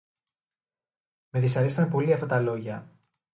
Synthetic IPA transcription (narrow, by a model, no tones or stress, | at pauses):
meðisɐɾist̪ɐmpo̞liɐft̪ɐt̪ɐlo̞ʝɐ